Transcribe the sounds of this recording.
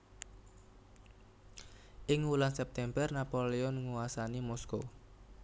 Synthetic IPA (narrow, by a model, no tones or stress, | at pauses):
ʔɪŋulansɛp̚t̪ɛmbərnapoleɔnŋuwasanimɔsko